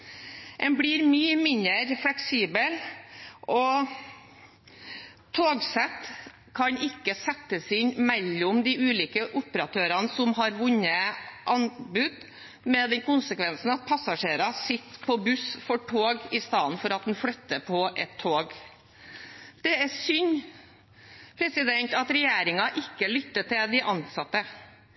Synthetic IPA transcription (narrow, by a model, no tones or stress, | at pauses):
ʔɛnbliːɾmyːəmɪnəɾflɛksiːbəlʔɔ | t̪ʰoːɡsɛt̪ | kʰɑɲɪkːəsɛt̪ːəsɪnmɛlːʊmd̪ɪʉːliːkəʔʊpəɾɑt̪ʰøːɾɑnsɔmɦɑɾʋʊɲəʔɑnbʉd̪ | mɛd̪ɛnkʊnsəkʋɛnsn̩ɑt̪̚pʰɑsɑʂeːɾɑsɪt̪ːpʰɔbʉsfɔʈʰoːɡɪst̪ɑːnfɔɾɑt̪̚d̪nflœt̪ːəpʰɔʔɛt̪ʰːoːɡ | d̪̥ɛæsʏɲ | pʰɾɛsɪd̪ɛnt̪ɑt̪ɾɛjeːɾɪŋɑʔɪkːəlʏt̪ːət̪ɪld̪ɪʔɑnsɑt̪ːə